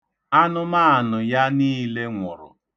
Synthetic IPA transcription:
a˦nʊ˦ma˦a˨nʊ˨ja˦niː˦le˦ŋʷʊ˨ɾʊ̰˨

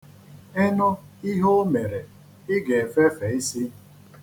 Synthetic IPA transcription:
ɛ˦nɔ˦ | i˦ɦo˦me˨ɾe˨ | ɪ˦ɡe˨fe˦fe˨i˦si˦

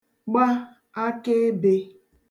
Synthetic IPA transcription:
ɡ͡ba˦ | a˦ke˦be˨

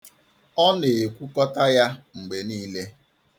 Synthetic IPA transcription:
ɔ˦ne˨e˨kʷu˦kɔ˦ta˦ja˦ŋ͡m̩˨ɡ͡be˨niː˦le˦

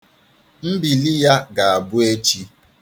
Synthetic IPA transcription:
m̩˦bi˨li˦ja˦ɡa˨a˨bʊ˦e˦t͡ʃi˦

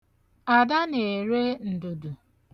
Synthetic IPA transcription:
a˨da˦ne˨ɾe˦n̩˨du˨du˨

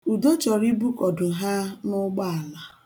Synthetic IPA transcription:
u˨do˦t͡ʃɔ˨ɾi˦bu˦kɔ˨dʊ˨ɦa˦nʊ˦ɡ͡ba˦a˨la˨

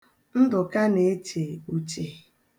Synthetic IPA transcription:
n̩˦dʊ˨ka˦ne˨e˦t͡ʃe˨u˨t͡ʃe˨

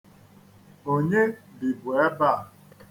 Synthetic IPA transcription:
o˨ɲe˦bi˨bwɛ˦ba˦˨

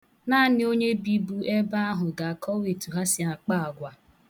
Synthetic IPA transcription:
naː˦nɪ˦o˦ɲe˦bi˦bu˦ʔe˦ba˦a˦ɦʊ˨ɡa˨a˨kʰɔ˦we˨tu˨ɦa˦sɪ˨a˨k͡pa˦a˨ɡʷa˨

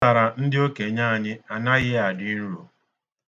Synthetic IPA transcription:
a˨ɾa˨n̩˦dɪ˦o˦ke˨ɲaː˦a˨ɲɪ˦a˨na˦ɣɪ˦a˨dnu˦ɾṵ˨

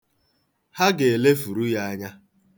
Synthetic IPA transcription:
ha˦ɡe˨e˨le˦fu˨ɾu˦ja˦a˦ɲa˦

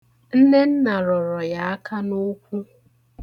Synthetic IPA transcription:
n̩˦ne˦n̩˦na˨ɾɔ˨ɾɔ˨ja˨˦a˦ka˦no˦kʷu˦

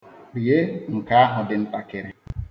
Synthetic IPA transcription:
k͡pi˨je˦ŋ̩˨ka˦a˦ɦʊ˨dɪ˨n̩˦ta˨ke˨ɾe˨

